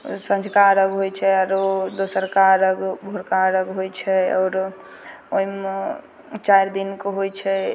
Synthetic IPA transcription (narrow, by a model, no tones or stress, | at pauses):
sə̃nd͡ʒʱkaɾəɡɦojt͡ʃʰɛɾod̪osəɾkaɾəɡbʱoɾkaɾəɡɦojt͡ʃʰɛɔ̰ːɾ | oim | t͡ʃajɾd̪inkoɦojt͡ʃʰɛ